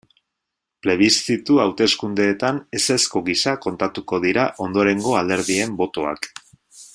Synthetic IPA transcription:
pɾe̞β̞ist̪it̪uawt̪e̞skund̪e̞ːt̪ane̞se̞sko̞ɣisako̞nt̪at̪uko̞ð̞iɾaʔo̞nd̪o̞ɾe̞ŋɡo̞ald̪e̞ɾðie̞mbo̞t̪o̞a̰k

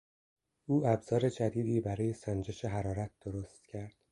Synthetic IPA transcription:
ʔuːæbz̥ɒːɾe̞d͡ʒæd̪iːd̪iːbæɾɒːje̞sænd͡ʒe̞ʃe̞ɦæɾɒːɾæt̪̚d̪̥oɾost̪̚cʰæɾd̪̥

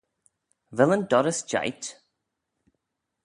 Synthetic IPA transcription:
vɪlˠə̃ndɔɾəsd͡ʒ̥a̰ɪt

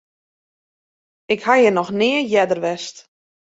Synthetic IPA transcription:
ɪkhajənɔxnɪəjɛdərʋɛst

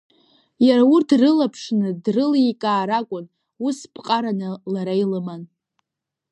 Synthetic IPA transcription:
jaɾaʊrtʰrɨlapʰʂnɨdrɨlikʼaːɾakʷʼʊn | uspʰʼqʼaɾanɨlaɾajlɨman

